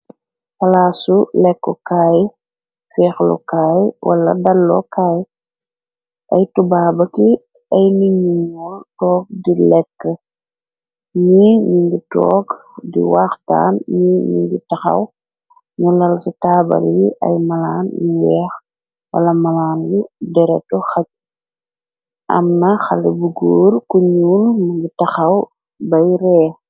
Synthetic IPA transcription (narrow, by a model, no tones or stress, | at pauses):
fɐlaːsulɛkːɔkaːj | fɛːxlɔ̰kaːjwʔɐ̰lɐ̰dɐlːɔ̰kaːj | ʔɐjtubaːbɐti | ɐjniɲuŋɔltɔːk̚dilɛkːə | ɲiɲiŋɡitɔːkdḭwaːxta̰ːnɲiɲṵŋɡitɐxɐ̰w | ɲulɐlsitaːbɐ̰ljiʔɐ̰jmɐlaːnjiwɛːx | wɐ̰lɐmɐlaːnjidɛɾɛ̰tɔxɐc | ʔɐ̰mnɐxɐlɛbuɡuːrkuɲuːlmɐɲɡitɐxɐw | bɐjɾɛː